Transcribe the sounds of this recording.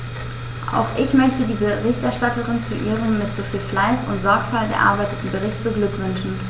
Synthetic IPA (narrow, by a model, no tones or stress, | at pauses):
ʔa̰ʊxʔɪçmœçtədiːbəʁɪçtʔɛɐʃtatəʁɪnt͡suʔiːʁ̞əmːɪtz̥oːfiːlflaɪsʊntz̥ɔɐkfalɡə̰ʔa̰ɐbaɪtətn̩bəʁɪçt̚b̥əɡlʏkv̥ʏnʃn̩